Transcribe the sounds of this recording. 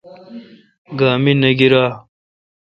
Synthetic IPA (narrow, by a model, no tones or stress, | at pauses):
ɡaːminɐɡiɾaː